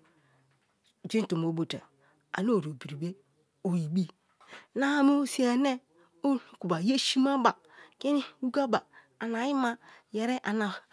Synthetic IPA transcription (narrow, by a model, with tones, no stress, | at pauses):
d͡ʒʷi˦n˦tu˨m˨o˨˦bo˨ta̰˨ | a̰˨no˦˨ɾo˨bi˨ɾi˨be˦ | o˨ji˨bi˦ | na˦a˦mo˦si˦a˨ne˦ | o˦˨ku˨ba˨je˦ʃi˦ma˦ba˨ | ke˦ni˦wu˦ɡa˦ba˨ | a˨na˨ji˦ma˦je˨ɾe˦ʔa˨na˨